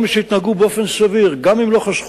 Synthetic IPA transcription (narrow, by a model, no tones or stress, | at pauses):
miʃehit̪naɡubeofensaviʁɡamimloχaʃχ